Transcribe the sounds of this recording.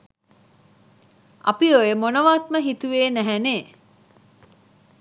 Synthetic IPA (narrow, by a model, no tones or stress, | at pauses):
ɐ̰piojəmonəʋaːt̪məɦit̪uʋeːnæɦæneː